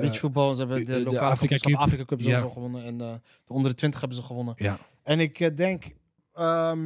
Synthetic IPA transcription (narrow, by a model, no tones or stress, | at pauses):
bitəfut̚bɑlˠəzəɦɛbədəlokaːlfsaːfrikakøpzozoχəʋɔnənɛn | d̥əɔndərdətʋɪntə̥χɦɛbənzəχəʋɔnə | ɛnɪkdɛŋk | ə